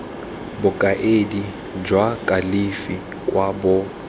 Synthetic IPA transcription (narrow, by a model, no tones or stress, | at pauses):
bʊkʼaʔedi | d͡ʒwakʼalifi | kʼwabɔ